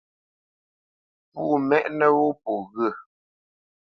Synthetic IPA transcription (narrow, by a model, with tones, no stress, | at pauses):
puː˦˨mɛ˦ʔnə˦wo˦po˨ɣə˦˨